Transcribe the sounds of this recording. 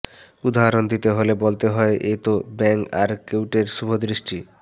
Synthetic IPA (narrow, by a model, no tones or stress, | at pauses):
ud̪aɾond̪it̪eɦolebolt̪eɦɔeʔet̪obɛŋka̰ɾkewʈeɾʃubʱod̪ɾiʃʈi